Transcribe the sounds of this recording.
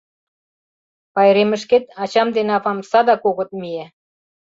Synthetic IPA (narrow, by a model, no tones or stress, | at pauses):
pɑjɾemə̆ʃket̪ɑt͡ɕɑmd̪enɑpɑmsɑd̪ɑkoɣɤ̆t̪̚mie